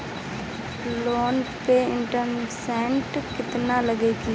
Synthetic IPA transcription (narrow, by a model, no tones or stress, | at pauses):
loːn | peɪ̃ɳʈəmsɛ̃ːɳʈkɪt̪naləɡeki